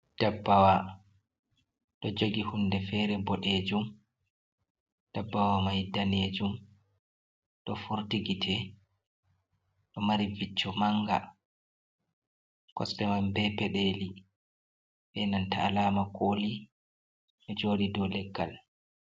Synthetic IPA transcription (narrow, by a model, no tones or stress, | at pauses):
d̥abːawa | ɗɔd͡ʒoɡihundɛfɛːɾɛbɔɗeːd͡ʒum | d̥abːawamajdaned͡ʒum | ɗɔfuɾtiɡitʰɛ | ɗɔmaɾivit͡ʃːɔmaŋɡa̰ | kɔ̰stɛmambɛpɛɗeli | ɓɛnantaːlaːmakʰoːli | ɗɔd͡ʒoːɗidɔlɛɡːa̰l